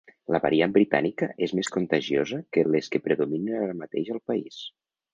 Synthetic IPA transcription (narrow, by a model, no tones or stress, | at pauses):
ləβa̰ɾiambɾit̪a̰nikəʔezmeskunt̪aʒiozəkəleskəpɾəðuminənaɾəmat̪ḛʒəlˠpais